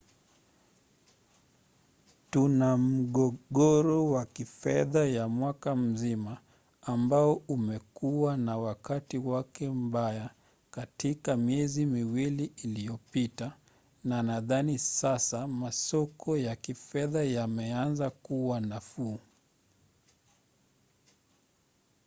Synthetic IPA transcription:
tunam̩ɠɔɠɔɾɔwakifɛðajamwakam̩zimaː | mbaɔumɛkuwanawakatiwakɛm̩baja | katikamiɛzimiwiliːlijɔpita | nanaðanisasamasɔkɔjakifɛðajamɛanzakuwanafuː

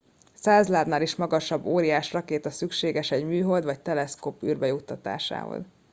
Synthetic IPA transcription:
saːzlaːd̪naːliʃmɒɡɒʃɒbːoːɾijaːʃrɒkeːt̪ɒsykʃeːɡɛʃɛɟmyːɦold̪vɒc̚t̪ɛlɛskoːpyːrbɛjut̪ːɒt̪a̰ːʃa̰ːɦo̰z

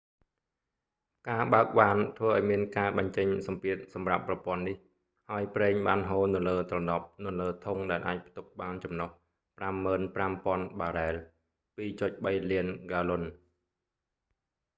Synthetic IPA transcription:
kaːɓaək̚ɓaːnt̪ʰʋəːʔaɔjmiənkaːɓɑɲt͡ɕəɲsɑmpiət̪̚sɑmrapːrɑpŏənːih | haəjprɛːɲɓaːnɦoːnɨ̆ləːt̪rɑnɑp̚nɨləːt̪ʰuŋɗaɛlʔa̰ːc̚pʰt̪up̚ɓaːnt͡ɕɑmnoh | pramːəːnprampŏənɓaːɾaɛl | piːt͡ɕot̪̚ɓəjliənɡaːlon

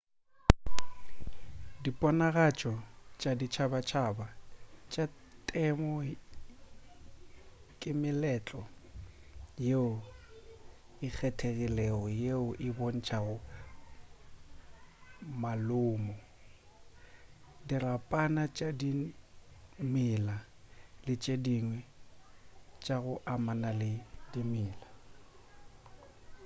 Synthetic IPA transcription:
dipʼɔnaɣat͡ʃʼɔt͡ʃʼadit͡ʃʰabat͡ʃʰabat͡ʃʼatʼɛmɔ | kʼɪmɪlɛt͡ɬʼɔ | jeʊ | ɪk͡xʰɛtʰeɣilɛɔjeʊʔɪbon̩t͡ʃʰaʊ | malʊːmɔ | dirapʼanat͡ʃʼadi | mɪla | lɪt͡ʃʼediŋwɛ | t͡ʃʼaɣʊʔamanalɪdimɪːla

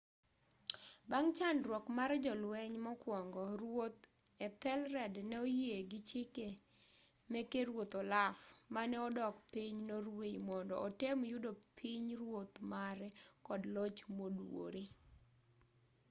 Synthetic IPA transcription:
baŋt͡ʃandɾwɔkmaɾd͡ʒɔlwɛɲmɔkwɔŋɡɔɾwot̪ | ɛt̪ɛlɾɛdnɛojeɡɪt͡ʃɪke | mɛkeɾwot̪ɔlafmanɛɔdɔkpiɲnoɾwejmɔndɔ̰ʔɔtemjʊdopʰiɲɾwot̪maɾɛkɔdlot͡ʃmodwo̰ɾe

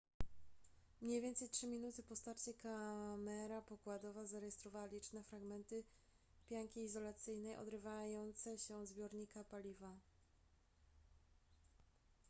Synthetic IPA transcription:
mɲejvjɛnt̪sɛjtʂɘmʲinut̪ɘpɔst̪aɾt͡ɕɛkamɛɾapɔkwad̪ɔvazaɾɛjɛst̪ɾɔvawalʲit͡ʂnɛfɾaɡmɛnt̪ɘ | pʲjaŋkʲiːzɔlat̪sɘjnɛjʔɔ̰d̪ɾɘvajɔnt̪sɛɕɛzbʲjɔɾɲikapalʲiva

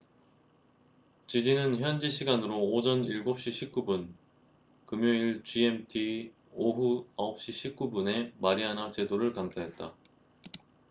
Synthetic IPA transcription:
t͡ɕid͡ʑinɯnçjʌnd͡ʑiɕʰiɡanɯɾoːd͡ʑʌniɭɡop̚ɕ͈iɕʰik͈ubun | kɯmjoiɭt͡ɕie̞mtʰi | oɦuaʌp̚ɕ͈iɕʰik͈ubune̞maɾianat͡ɕe̞doɾɯɭkamsʰaɦe̞t̚t͈a̰

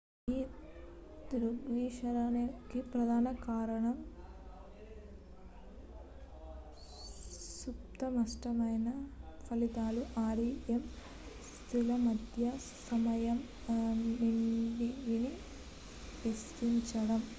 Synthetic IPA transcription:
iː | d̪uɾuʋiːʃɐɾanɐkipɾɐd̪ʱaːnɐkaːɾɐɳɐm | suptt̪ɐmɐsʈɐmɐjnɐpʰɐlit̪aːluʔaːɾiem | st̪ʰilɐmɐd̪ʱjɐ | sɐmɐjɐm | niɳɖiʋini | ʋisɾiɲt͡ʃɐɽɐm

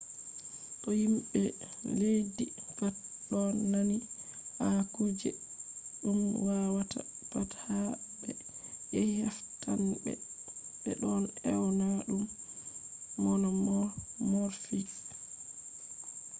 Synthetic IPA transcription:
ɗɔhimɓɛ | lejdipat | ɗɔnːanihakud͡ʒɛ | ɗumwawata̰pathabɛjɛhaftambɛ̰ɓɛ̰ɗɔnɛwnaɗum | ɔnɔmɔmɔɾfiks

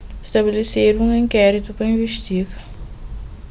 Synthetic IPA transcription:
st̪ɐbeleseɾũŋĩŋkɛɾit̪upɾɐĩveʃt̪iɡɐ

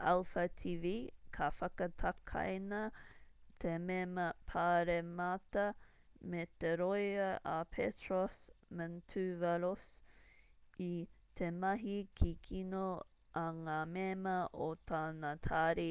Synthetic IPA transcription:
alfɐt̪ʰiːvikʰɐfɐkɐt̪ʰɐkʰɐ̰jnɐ | t̪ʰememɐpʰaːɾemɐt̪ɐ | met̪eɾojɐʔapʰetʰɾosməntʰʉvɐɾos | it̪ʰemɐɦikʰikʰino | ɐŋamemɐʔot̪ʰaːnɐt̪ʰaːɾi

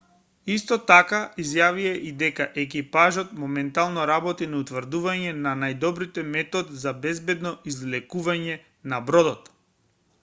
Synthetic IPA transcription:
ist̪ɔt̪akaizjaviaʔid̪ɛkaʔɛk̬ipaʒɔt̪mɔmɛnt̪alˠnɔɾabɔt̪inɛut̪vɾd̪uvaɲɛnanajd̪ɔbɾit̪ɛmɛt̪ɔd̪zabɛzbɛd̪nɔizlɛkuvaɲɛ | nabɾɔd̪ɔt̪

